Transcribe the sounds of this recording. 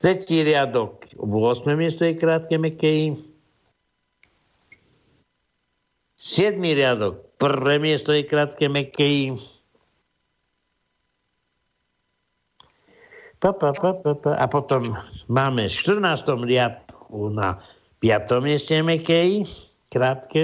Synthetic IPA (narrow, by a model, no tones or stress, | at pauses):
t̪ɾɛt͡ɕiɾjad̪ɔkʋɔsmɛmjɛst̪ɔikɾat̪̚kɛmɛkɛi | sjɛd̪miɾjad̪ɔk̚pərvɛmjɛst̪ɔikɾat̪kɛmɛkɛi | papapapapaʔa̰pɔt̪ɔmːamɛʃt̪əɾnast̪ɔmɾjat̪̚kuna̰ | pjat̪ɔmjest̪ɛmɛkɛi | kɾat̪kɛ